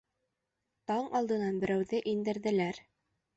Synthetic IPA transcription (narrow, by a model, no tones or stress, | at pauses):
t̪ɑɴɑlˠd̪ɤ̆nɑnbɘ̆ɾæwðɘʔind̪ɘ̆ɾðɘ̆læɾ